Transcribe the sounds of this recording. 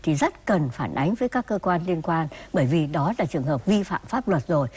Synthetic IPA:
t̪ʰi˨˩zə˦˥t̚kə˨˩nfaː˧˩nʔa˨˦jŋ̟vəː˨˦jkaː˦˥kːəː˧kwaː˧nli˧ənkwaː˧nɓəː˧˩jvi˨˩ɗɔ˨˦laː˨˩t͡ɕɨ˨˩əŋɦəː˨˩p̚vi˧fa̰ː˧˨mfaː˦˥p̚lwə˨˩t̚zo˨˩j

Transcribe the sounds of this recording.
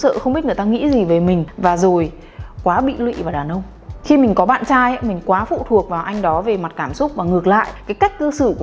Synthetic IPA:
sə̰ː˧˨xə˧wŋ͡mɓi˦˥t̚ŋ˨˩t̪aː˧ŋḭ˧˥zi˨˩ve˨˩˦mï˨˩ŋ̟vaː˨˩zo˨˩j | kwaː˨˦ɓḭ˧˨lwḭ˧˨vaː˨˩ɗaː˨˩nʔə˧wŋ͡m | xi˧mï˨˩ŋ̟kɔ˨˦ɓa̰ː˧˨nt͡ɕaː˧ja˧˦mï˨˩ŋ̟kwaː˨˦fṵ˧˨t̪ʰu˨˩ək̚vaː˨˩wʔa˧jŋ̟ɗɔ˨˦ve˨˩ma˨˩t̚kaː˧˩msʊ˦˥k͡p̚vaː˨˩ŋɨ˨˩ək̚la̰ː˧˨jʔkaː˨˦jka˦˥jk̟̚kə˧sɨ˧˩k

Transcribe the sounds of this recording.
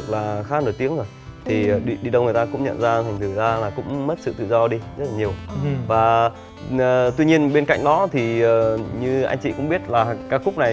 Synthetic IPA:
laː˨˩xaː˨˦˥no˧˨˩jt̪i˨˦əŋzoː˨˩jt̪ʰi˨˩˨ɗḭ˧˨ɗi˧ɗə˧wŋ͡mŋ˨˩ə˩t̪aː˧kʊ̰˧˥ŋ͡mɲə̰˧˨nzaː˧t̪ʰjŋ̟t̪ʰɨ˧˩zaː˧laː˨˩kʊ̰˧˥ŋ͡mm˦˥t̚sɨ̰˧˨t̪ɨ̰˧˨zɔ˧ɗi˧zə˦˥t̚laː˨˩ɲi˨˩əwvaː˨˩˨ | t̪wi˧ɲi˧ənɓe˧nka̰˧˨jŋ̟ɗɔ˨˦t̪ʰi˨˩əː˨˩ɲɨ˧ʔa̰˧jŋ̟t͡ɕḭ˧˨kʊ̰˧˥ŋ͡mɓi˦˥ət̚laː˨˩kaː˦˥kxʊ˦˥k͡p̚na˨˩

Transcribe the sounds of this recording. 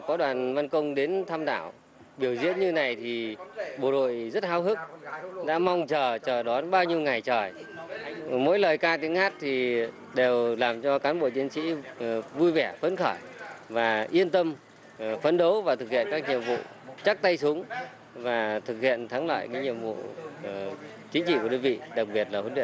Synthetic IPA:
kɔ˨˦ɗwaː˨˩nva˧nkə˧wŋ͡mɗe˨˦nt̪ʰaː˧mɗa̰ː˧˩w | ɓi˧˩əwzḭ˧˥ənɲɨ˧na˨˩jt̪ʰi˨˩ɓo̰˧˨˩ɗo̰˧˨jzə˦˥t̚haː˧˦wɦɨ˦˥k̚ɗa̰ː˧˥ma˧wŋ͡mt͡ɕəː˨˩t͡ɕəː˨˩ɗwɔ˨˦nɓaː˧wɲi˧əwŋa˨˩jt͡ɕəː˨˩j | mo̰˧˥jləː˨˩jkaː˧t̪i˨˦əŋhaː˦˥t̚t̪ʰi˨˩ | ɗe˨˩wlaː˨˩mt͡ɕɔ˧kaː˨˦nɓo̰˧˨t͡ɕi˨˦ənsḭ˧˥vu˧jvɛ˧˩fə˨˧˦nxɔː˧˩jvaː˨˩ʔi˧ənt̪ə˧m | fə˧˩nɗə˨˦wvaː˨˩t̪ɨ˨˩k̚hḭ˧˨ənkaː˦˥k̚ɲḭ˧˨əmvṵ˧˨ | t͡ɕa˦˥k̚t̪a˧jsu˨˦əŋ | vaː˨˩t̪ʰɨ˨˩k̚hḭ˧˨ənt̪ʰa˨˦ŋla̰ː˧˨jkaː˨˦jɲḭ˧˨əmvṵ˧˨˩ | t͡ɕi˨˦ŋ̟t͡ɕḭ˧˨kɗə˧nvḭ˧˨ɗa˨˩k̚ɓi˨˩ət̚laː˨˩hu˨˦nɗi˧˨

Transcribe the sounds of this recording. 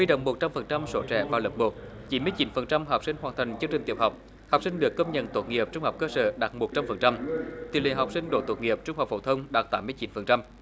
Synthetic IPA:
wi˧ɗo̰˧˨wŋ͡mmːo˨˩t̚t͡ɕa˧mfə˨˩nt͡ɕa˧mso˧˦t͡ɕɛ̰˧˩˨vaː˨˩wlə˨˩p̚mo˨˩t̚ | t͡ɕi˨˦nmɨ˧əjt͡ɕi˨˦nfə˨˩nt͡ɕa˧mɦa˨˩wk͡p̚sï˧ŋ̟hwaː˨˩nt̪ʰa˨˩jŋ̟t͡ɕɨ˧əŋt͡ɕï˨˩ŋ̟t̪i˨˩əp̚ha˨˩wk͡p̚ | ha˨˩wk͡p̚si˧ŋ̟ɗɨ˨˩əkːə˧wŋ͡mɲə̰˧˨nt̪o˧˩t̚ŋi˨˩əp̚t͡ɕʊ˧ŋ͡mha˨˩k͡p̚kəː˧sə̰ː˧˦ɗaː˨˩t̚mo˨˩t̚t͡ɕa˧mfə˨˩nt͡ɕa˧mt̪ḭ˨lḭ˧˨˩ɦa˨˩wk͡p̚sï˧ŋ̟ɗo̰˧˩t̪o˨˩t̚ŋi˨˩əp̚t͡ɕʊ˧ŋ͡mha˨˩k͡pfo˧˩t̪ʰə˧wŋ͡mɗaː˨˩t̚t̪aː˨˦mːɨ˧əjt͡ɕi˨˦nfə˨˩nt͡ɕa˧m

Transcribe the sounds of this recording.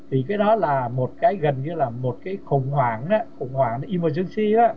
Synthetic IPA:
t̪ʰi˨˩kaː˨˦jɗɔ˨˦laː˨˩mo˨˩t̚kaː˨˦jɣə˨˩nɲɨ˧laː˨˩mo˨˩t̚kaː˨˦jxə˨˩wŋ͡mhwaː˨˩ŋna˨˦xə˧˩wŋ͡mhwaː˨˩ŋna˨˦ʔi˧məː˧˩t͡ɕɨ˧əŋsi˧aː˨˦

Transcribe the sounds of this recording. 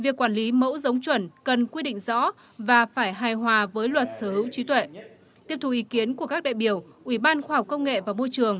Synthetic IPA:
vi˨˩əkːwaː˧˩nli˨˦mə̰˧˥wzə˨˦wŋ͡mt͡ɕwə˧˩nkə˨˩nkwi˧ɗḭ˧˨ŋ̟zɔ̰˧˥ | vaː˨˩faː˧˩jɦaː˨˩jɦwaː˨˩vəː˨˦jlwə˨˩t̚səː˧˩hɨ̰˧˥wt͡ɕi˨˦t̪wḛ˧˨ | t̪i˦˥əp̚t̪u˨˩ʔi˨˦ki˨˦ənku˧˩əkaː˦˥k̚ɗa̰ː˧˨jɓi˧˩əwʔwi˧˩ɓaː˧nxwaː˧ha˨˩k͡p̚kə˧wŋ͡mŋḛ˧˨vaː˨˩mo˧jt͡ɕɨ˨˩əŋ

